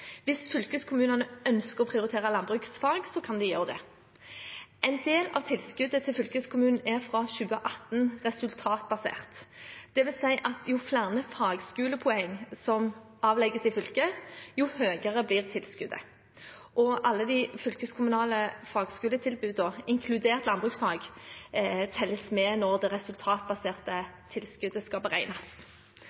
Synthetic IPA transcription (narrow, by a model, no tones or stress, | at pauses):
ʋɪsfʏlkəskʰʊmʉːnɑnəœnskəʁɔpʰʁɪʊʁɪt̪ʰeːʁɑlɑnbʁʉːksfɑlɡsɔkʰɑnd̪ɛjøːʁəd̪ɛ̰ | ʔɛɪnd̪eːlɑ̰ʋt̪ʰɪlskʉd̪ət̪ʰɪlfʏlkəskʰʊmʉːnn̩æʁfʁɑɕʉːəʔɑt̪nʁɛsʉlt̪ʰɑːt̪bɑsḛːʁt̪d̥̪ɛʋɪlsæɪʔɑt̪ʰjʊflæʁnəfɑːɡskʉːləpʰʊɛŋːsɔm | ɑːʋlɛɡəsɪfʏlkəjʊhøːɡəʁəbliːʁt̪ʰɪlskʉd̪ə̰ | ʔɔʔɑlːəd̪ɪfʏlkəskʰʊmʉnɑːləfɑːɡskʉːlət̪ʰɪlbʉːd̪d̪oɪŋkʰlʉd̪eːʁt̪lɑnbʁʉksfɑːɡ | t̪ʰɛlːəsmɛːnɔʁd̪ɛʁɛsʉlt̪ʰɑːt̪̚bɑseːʁt̪ət̪ʰɪlskʉd̪əskɑlbəʁæɪnɑs